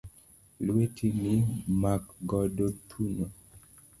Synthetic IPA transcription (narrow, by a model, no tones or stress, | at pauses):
lwetʰimimakɡɔdotʰuno